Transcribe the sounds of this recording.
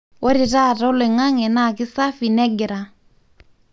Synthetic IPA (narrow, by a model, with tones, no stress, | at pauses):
wɔ˦ɾi˨ɾa˦˨ɾɔ˦le˨ŋa˦ŋɛ˨na˦˨kɪ˦sa˦fi˨nɛ˦ɡɪ˨ɾa˨